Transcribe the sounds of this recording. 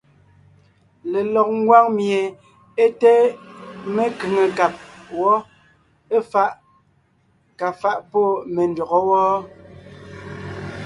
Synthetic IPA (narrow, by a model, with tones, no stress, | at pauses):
le˨lɔ˨k̚ŋ˦ɡwa˦ŋmje˨ | e˦tɛ˦ | me˦kʉ˨ŋe˨ka˨p̚wɔ˦ | e˦fa˦ʔ | ka˨fa˦ʔpɔ˦˨me˨n˨dɔ˨ɣɔ˦wɔː˦